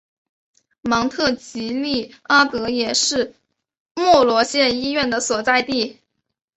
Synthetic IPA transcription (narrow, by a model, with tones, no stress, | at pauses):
mɑ˧˥ŋt̪ʰɤ˥˩t͡ɕi˧˥li˥˩a˥t̪ɤ˧˥jɛ˨˩ʂɻ̩˥˧ | mwɔ˥˩lwɔ˧˥ɕjɛ˥˧ni˥ɥɛ˥˩nd̪ə˩swɔ˨˩t͡sa˥˧ɪt̪i˥˩